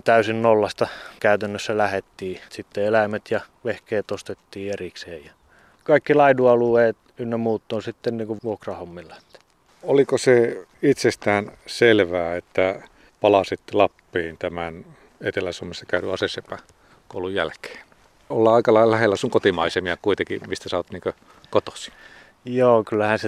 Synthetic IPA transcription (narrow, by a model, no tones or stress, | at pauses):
t̪æysinnolːɑst̪ɑkæyt̪ænːøsːælæhet̪ːiːsit̪ːeelæimæt̪jɑ | ʋehkeːt̪ost̪et̪ːiːerikseːjjɑ | kɑikːilɑiduɑlueːt̪ | ynnemuːt̪ːoːsit̪ːenniːŋkuʋuokrɑhomːilːɑet̪ːæ̥ | olikose | it̪sest̪æːnselʋæːet̪ːæ | pɑlɑsit̪lɑpːiːnt̪æmæn | et̪elæsuomːesːɑ̥kæyɾy̰ɑsesepːæ | koulujjæ̰lke̥ːn | olːɑːɑikɑlɑilɑlæhelːæsuŋkot̪imɑisemiɑkuit̪eŋkḭmist̪æsɑːt̪niːŋkø | kot̪o̥si̥ | joːkylːæhæse